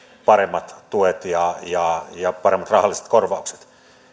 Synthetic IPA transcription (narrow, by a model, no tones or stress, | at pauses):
pɑremːɑt̪t̪uet̪jɑjɑjɑpɑɾemːɑt̪rɑhɑlːˑise̥t̪korʋɑukse̥t̪